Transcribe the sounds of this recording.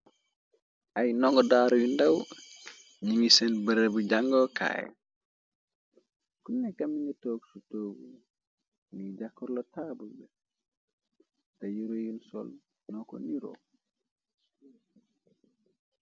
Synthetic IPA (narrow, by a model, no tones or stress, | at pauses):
ʔajnɔŋɡɔdaɾjundɐw | ɲiŋisɛnbəɾebuɟaŋɡɔka̰ːj̰ | kunɛkːɐmiŋɡɐtoːɡsutoːɡṵ | ŋɡiɟakːɔɾlotabulbɛ | tɐjiɾojunsɔ̰l | nɔko̰niɾo̰